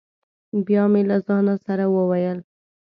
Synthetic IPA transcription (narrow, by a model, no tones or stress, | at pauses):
bjɑmelazɑnasaɾawəwajəl